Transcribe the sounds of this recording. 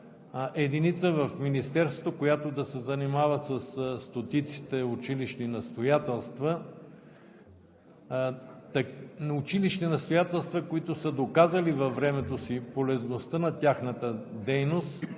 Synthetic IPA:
ʔɛd̪init̪səvɐfminist̪ɛɾst̪vot̪okojat̪od̪ɐsɛzɐnimavəsɐsst̪ot̪it̪si̥t̪ɛʊt͡ʃiliʃninɐst̪ojat̪ɛlˠst̪və | t̪nʊt͡ʃiliʃninɐst̪ojat̪ɛlˠst̪vɐkoit̪ʊsəd̪okazɐlivɐvɾɛmɛt̪osipolɛznost̪ənɐt̪ʲjaxnət̪əd̪ɛjnost̪

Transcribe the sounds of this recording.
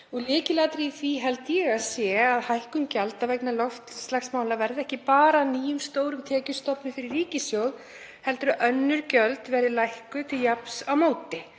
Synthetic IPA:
ɔɣlɪːcɪlat̪ɾiθviɦɛlt̪jɛɣaðsjɛːaðhajhkʏmcalt̪avɛknalɔft̪st̪laxsmaːwlavɛɾðɪɛhcɪpaːɾaːniːjʏmst̪oːwɾʏmt̪ʰɛːcʏst̪ɔpnʏfɪɾɪrːiːcɪsjowð | hɛlt̪ɾʏʔœnːʏɾcœlt̪vɛːɾðɪlajhkʏt̪ʰɪljapsawmoːwt̪ɪ

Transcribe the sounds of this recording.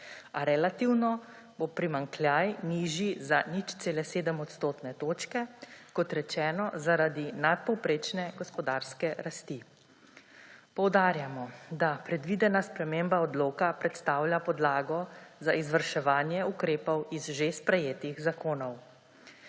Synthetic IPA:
aɾɛlat̪iwnɔ | bopɾimaŋklʲjajniːʒizanit͡ʃt̪seːlɛseːd̪əmɔt̪st̪oːt̪nɛt̪oːt͡ʃkɛkɔt̪ɾɛt͡ʃɛːnɔzaɾad̪inat̪̚pɔwpɾeːt͡ʃnɛɡɔspɔd̪aːɾskɛɾast̪i | pɔwd̪aːɾjamɔd̪apɾɛd̪ʋiːd̪ɛnaspɾɛmembaɔd̪loːkapɾɛt̪st̪aːwljapɔd̪laːɡɔzaʔizʋəɾʃɛʋaːnjɛukɾeːpɔwizʒespɾɛjeːt̪iɣzakoːnɔw

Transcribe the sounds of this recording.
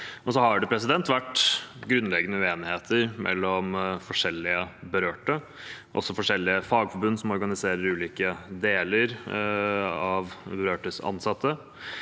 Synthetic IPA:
ʔɔsɔhɑɖɛpʰɾɛsɪd̪ɛnt̪ʋæʈːɡɾʉnlɛɡːənəʉeːnɪheːt̪ʰəɾmʔɛ̰lːɔmfɔʂɛlːɪəbəɾøːʈə | ʔɔ̰sːɔfɔʂɛlːɪəfɑːɡfɔbʉnd̪sɔmɔɾɡɑnɪseːɾəɾʉːliːkəd̪eːləɾ | ɑʋbəɾøːʈəsɑ̰nsɑt̪ʰːə

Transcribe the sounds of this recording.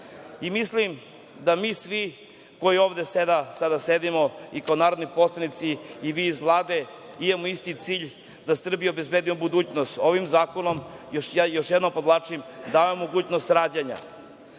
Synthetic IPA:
imislim | d̪amiːsʋi | ko̞jioːvd̪esed̪asad̪ased̪imoikaonaːɾod̪nipo̞slˠanit̪siːʋizlˠad̪e | imamoist̪it̪siːʎ | d̪asr̩bijeobezbed̪imobud̪uːt͡ɕnost̪o̞ʋimzaːkono̞mjojoʃjed̪nompod̪lˠat͡ʂimd̪aːʋaomoɡuːt͡ɕnost̪ɾaːd͡ʑaɲa̰

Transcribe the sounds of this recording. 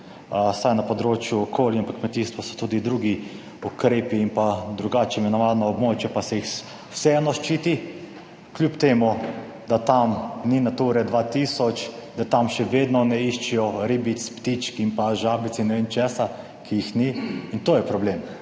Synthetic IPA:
sajnapɔd̪ɾoːt͡ʃjuɔkʰoːljaampakmɛt̪iːst̪ʋɔsɔ̥t̪uːd̪id̪ɾuːɡi | ukɾeːpiːmpad̪ɾuɡaːt͡ʃɛmɛnɔʋaːdnɔɔbmoːt͡ʃjɛpasɛjix | wsɛɛnɔʃt͡ʃiːt̪i | klʲjuːpt̪eːmu | d̪at̪amninat̪uɾɛd̪ʋaːt̪iːsɔt͡ʃd̪at̪amʃɛʋeːd̪nɔnɛiʃt͡ʃijɔɾibit̪spt̪it͡ʃkimpaʒaːbit̪sinɛʋeːnt͡ʃɛːsa | kʰijixniint̪oːjɛpɾɔbleːm

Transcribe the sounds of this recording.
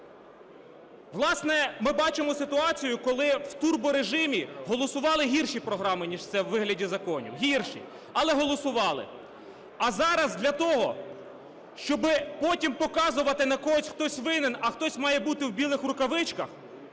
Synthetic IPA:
ʋlˠɑsnɛmɪbɑt͡ʃɪmɔsɪt̪ʊɑt͡sʲijʊkɔlˠɪwt̪urbʊɾeʒɪmʲiɦɔlˠɔsʊʋɑlˠɪɦʲirʃipɾɔɦɾɑmɪnʲiʒt̪sɛwːɪɦlʲɐdʲizɐkɔnʲḭwɦʲirʃḭ | ɐlˠɛɦɔlˠɔsʊʋɑlˠɪ̰ | ɐzɑɾɐzd̪lʲɐt̪ɔɦɔ | ʃt͡ʃɔbɪpɔtʲimpɔkɑzʊʋɐt̪ɪnɐkɔɔsʲxt̪ɔsʲʋɪnɪnɐxt̪ɔsʲmɑjɛbut̪ɪwbʲilˠɪxɾʊkɐʋɪt͡ʃkɐx

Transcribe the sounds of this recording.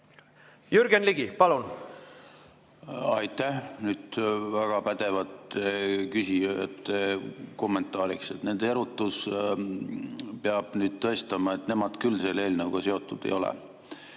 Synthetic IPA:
jyɾɡ̥enliɡipɑlun | ɑjt̪ːæhnyːd̪̥væɡ̥ɑpæd̪̥e̞vɑt̪kysiet̪ːeko̞mːe̞nt̪ːˑɑːɾikset̪ne̞nd̪e̞ɾut̪ːˑus | peɑb̥nyːd̪̥̚t̪ɤ̞st̪ɑmɑe̞t̪ne̞mɑd̪̥kylːse̞ːle̞ːlnɤwɡ̥ɑse̞o̞t̪ːˑud̪̥ḛjo̞lḛ

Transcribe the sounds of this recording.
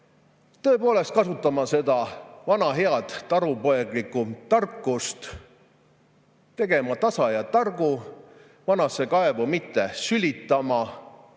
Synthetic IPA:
t̪ɤ̞e̞po̞ːle̞st̪̚kɑsut̪ːˑɑmɑse̞d̪ɑvɑnɑɦe̞ɑd̪̥t̪ːɑɾupo̞eɡlikːut̪ɑrkːˑust̪ | t̪e̞ɡ̥e̞mɑt̪ɑsɑjɑt̪ɑrɡ̥u | vɑnɑsːe̞kɑevumit̪ːe̞sylʲit̪ːˑɑmɑ

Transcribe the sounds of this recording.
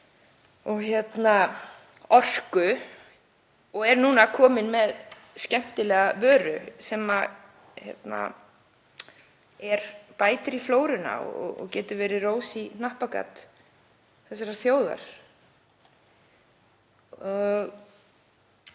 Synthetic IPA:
ɔɣçjɛt̪na | ɔr̥kʏ | ɔɣɛɾnuːnakʰɔːmɪnmɛð | scɛm̥t̪ɪlɛːɣavœːɾʏsɛːma | çɛ̰t̪na̰ | ɛɾpaːjt̪ɾifloːwɾɪna̰ɔ̰ɔ̰ɔ̰cɛːt̪ʏɾvɛːɾɪroːwsinahpaka̰t̪ | θɛs̬ːaɾaθjoːwða̰ɾ̥ | ɔɣ

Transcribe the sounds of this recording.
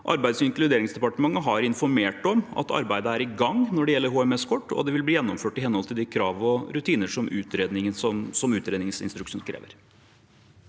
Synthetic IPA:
ʔɑ̰ɾbæɪsɪŋklʉd̪eːɾɪŋsd̪ɛpɑʈəmɑŋːəɦɑɾɪnfɔɾmeːʈɔmɑ̰t̪ɑ̰ɾbæɪd̪əæɾɪɡɑŋnɔɖɛjɛlːəɾɦuːɛmɛskʰɔʈːɔ̰d̪ɛʋɪlbliːjɛnːɔmføːʈɪhɛnːhɔlt̪ʰɪld̪ɪkʰɾɑːʋɔɾʉt̪ʰiːnəʂɔmʉːt̪ɾeːd̪nɪŋənsɔmsɔmʉːt̪ɾeːd̪nɪŋsɪ̰nst̪ɾʉkʂuːnkʰɾḛːʋə̰ɾ

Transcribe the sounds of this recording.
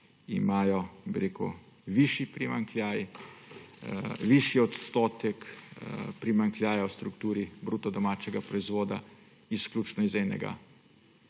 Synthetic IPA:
ḭmaːjɔbiɾeːkṵ | ʋiʃipɾimaŋkljaːj | ʋiʃjiɔt̪st̪oːt̪ɛk | pɾimaŋkljaːjawst̪ɾukt̪uːɾibɾuːt̪ɔd̪ɔmaːt͡ʃɛɡapɾɔizʋoːd̪a̰ | isklʲuːt͡ʃnɔizɛnɛ̰ɡa̰

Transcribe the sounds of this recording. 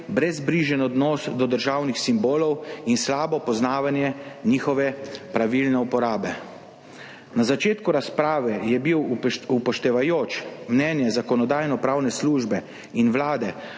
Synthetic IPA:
bɾɛzbɾiːʒɛnɔd̪nɔsd̪ɔd̪əɾʒaːwnixsimboːlɔwinslaːbɔpɔznaːʋanjɛniːxɔʋɛpɾaʋilnɛupɔɾaːbɛ | nazat͡ʃeːt̪kuɾaspɾaːʋɛjɛbiwupɔʃt̪ɛʋajoːt͡ʃmnɛnjɛzakɔnɔd̪aːjnɔpɾaːwnɛsluːʒbɛ | inʋlaːd̪ɛ

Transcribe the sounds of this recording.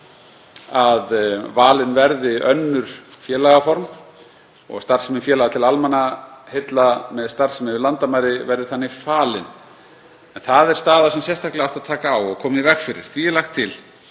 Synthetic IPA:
aðvaːlɪnvɛɾðɪœnːʏɾ̥fjɛːlaɣafɔɾm | ɔ̰ɣst̪aɾ̥sɛmɪnfjɛːlaɣat̪ʰɪlalmanahet̪lamɛðst̪aɾ̥sɛmɪnɪlant̪amajɾɪvɛɾðɪθanːɪfaːlɪn | ɛnθaðɛɾ̥st̪aːðasɛmsjɛst̪ʰaklɪawht̪aðt̪ʰaːkaːwɔɣkʰɔːmɪivɛxfɪɾɪ̰ɾ̥θviɛɾlaxt̪ʰːɪl

